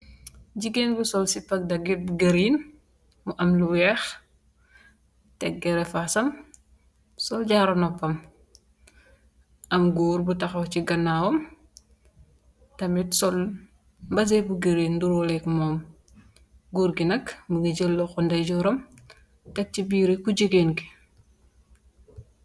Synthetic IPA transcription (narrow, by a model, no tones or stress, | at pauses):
d͡ʒiɡenbusɔlsipɐk̚dɐɡɛt̚buɡɐɾiːn | muʔɐmluwɛx | tɛk̚ɡɛɾɛfasɐm | sɔlɟaɾɔnɔpːɐm | ʔɐmɡuːrbutɐxɐwciɡɐnːaːwɔm | tɐmitsɔl | mbɐs̬ebuɡeɾenduɾɔlɛkmɔːm | ɡuːɾɡinɐkmuɡiɟəlːɔxɔndɐɟɔɾɐm | tɐk̚t͡ʃibiːɾekud͡ʒəɡenki̥